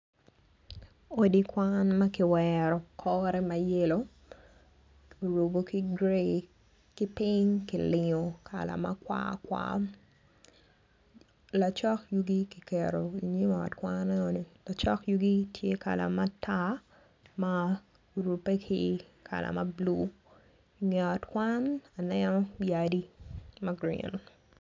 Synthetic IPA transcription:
o˦di˦kwanma˦kɪ˨wɛɾɔ˨kʰɔ˦ɾɛ˦maje˦lo˦ | o˨ɾo˨boki˦ɡɾe | ki˦pi˦ɲki˨lɪ˨ɲo˨kʰa̰˨la̰˨ma̰˦kwa̰˦kwa̰ | la˨t͡ʃɔ˦kju˦ɡi˦ki˨kɛɾo˨i˨ɲe˦ma˨ɔ̰˨tkwannɛ˦o˨ni˨la˨t͡ʃɔ˦kju˦ɡi˦tʰje˦ka̰˨la̰˨ma˦tʰa˦ | ma˨ | ɾu˨pːe˦kʰi | kʰa̰˨la̰˨mɐ˦blu˦ | ŋɛ˨ɔ˨tkwa˦na˨nɛnɔ˦jadi˦maɡɾḭ˦n

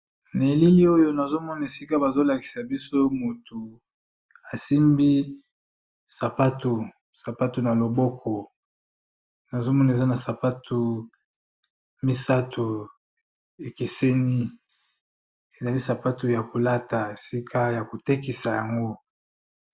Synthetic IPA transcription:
ne˨li˦li˦o˦jo˦na˨zo˦mɔ˦na˨e˨si˦ka˦ba˨zo˦la˨ki̥˨sa˨bi˦so˦mu˨tu˨ | a˨si˦mbi˦ | sa˨pa˦to˨ | sa˨pa˦to˨na˨lo˨bɔ˦kʰɔ˨ | na˨zo˦mɔ˦na˨e˨za˦na˨sa˨pa˦tʰo˨ | mi˦sa˦tʰo˨ | e˨ke˨se˦ni˦ | e˨za˨li˦sa˨pa˦to˨ja˨ko˨la˦ta˨e˨si˦kʰa˦ja˨ko˨te˦k̬i˨sa˨ja˨ŋɡo˦

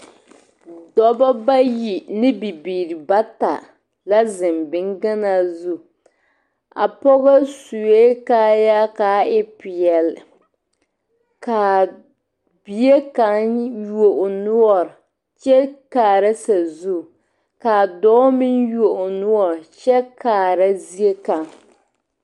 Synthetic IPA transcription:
dɔ˦ba˦ba˦ji˨nɪ˦bi˨biː˨ɾi˨ba˦ta̰˨ | la˦zɪ˨mbɪ˦ŋɡa˦na˦zu˦ | a̰˨pɔ˦ɣa˦su˨e˦kaː˦ja˦kaː˨˦ɪ˦pɪ˨jɛ˨l | ka˨ | bi˨e˦ka˨ŋju˦o˨ʔo˨nʊ˦ɔ˨ɾ | t͡ʃɛ˦kaː˨ɾa˦sa˨zu˦˨ | ka˨dɔː˦mɪ˦nju˦o˨ʔʊ˨nʊ˦ɔ˨ɾt͡ʃɛ˦kaː˨ɾa˦zi˦e˦ka˨ŋ

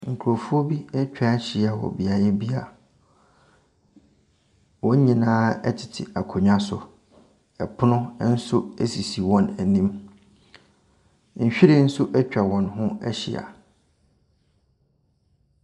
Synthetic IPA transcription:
ŋ̩˨kʰu˨ɾo˨fu˦ɔ˦bi˦ɛ˦t͡ɕᶣa˦ɕi˨a˨wɔ̰˨bi˨a˨jɛ˦bi˦a˨ | wɔ̃˦ɲ˦ɲĩ˨nãː˦ɛ̰˦tʰɪ̥˨tʰɪ̰˨a˨kʰo˨ɲᶣã˦sʊ˨ | ɛ˨pʰʊ˦nʊ̃˦n̩˦sʊ˦æ˦si˨si˨wɔ̃˨næ˨nĩ˦m | ɲ̩˨ɕᶣi˦ɾɪ˦n̩˦sʊ˦ʔɛ˦t͡ɕᶣa˨wɔ̃˨nɦʊ̃˦ɛ̰˦ɕḭ˨a̰˨

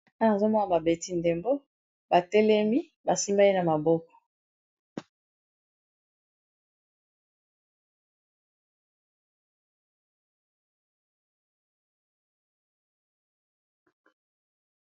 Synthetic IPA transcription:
a˦na˨zo˦mɔ˦na˨ba˨be˨ti˦nde˨mbo˦ | ba˨tɛ˦lɛ˦mi˦ | ba˨si˦mba˦e˦na˨ma˨bɔ˦kɔ̥˨

